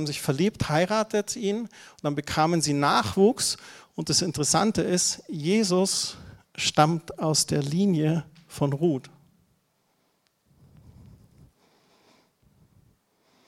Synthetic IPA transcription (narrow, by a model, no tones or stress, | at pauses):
bm̩zɪçfɛɐliːpthaɪʁaːtətiːnʊnd̥anbəkʰaːmənziːnaːχv̥uːksʊnt̚d̥asɪntəʁɛsantəɪstjeːzʊs | ʃtamtaʊsd̥eːɐliːnjəfɔnʁuːt